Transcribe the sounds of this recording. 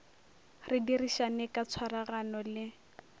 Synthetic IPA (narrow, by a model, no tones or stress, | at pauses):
rɪdiriʃanɛkʼat͡sʰwaraɣanɔlɪ